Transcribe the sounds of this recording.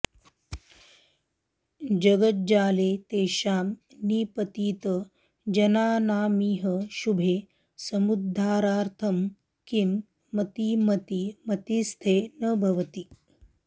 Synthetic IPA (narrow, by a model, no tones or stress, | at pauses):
d͡ʒɐɡət̪̚d͡ʒaːleːt̪eːʃaːm | niːpɐt̪iːt̪ə | d͡ʒɐnaːnaːmiːɦəʃubʱeː | sɐmud̪ʱːaːɾaːɾt̪ʰɐm | kimː | ɐt̪imɐt̪imɐt̪ist̪ʰeːnɐbʱɐʋɐt̪i